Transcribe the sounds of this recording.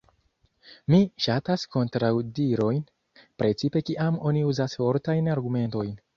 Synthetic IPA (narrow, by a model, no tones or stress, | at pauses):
miʃatasko̞ntɾawdiɾo̞jn | pɾe̞t͡sipe̞kiʔamo̞niuzasfo̞ɾtajnaɾɡume̞nto̞jn